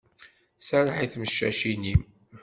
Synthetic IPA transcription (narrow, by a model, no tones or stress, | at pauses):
saɾˤaħiθməʃːæ̰ʃinim